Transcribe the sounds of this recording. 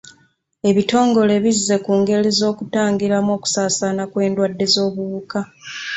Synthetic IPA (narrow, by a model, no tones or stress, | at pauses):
e̞βito̞ːŋɡo̞le̞βizːe̞kuːŋɡe̞lizo̞ːkutaːŋɡiɾamo̞ːku̥saːsanakwe̞ːndwadːe̞zo̞ːβuβuka